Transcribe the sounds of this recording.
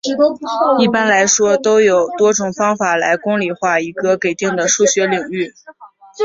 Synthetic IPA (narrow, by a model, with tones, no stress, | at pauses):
i˥˩pa˥nla˧˥ɪʂwɔ˥t̪o˥ʊjo˨˩ʊt̪wɔ˥ʈ͡ʂʊ˨˩ŋfɑ˥ŋfa˨˩la˧˥ɪkʊ˥ŋli˨˩xwa˥˩i˧˥ɡə˧ke˨˩ɪt̪i˥˩ŋd̪ə˩ʂu˥˩ɕɥɛ˧˥li˨˩ŋy˥˩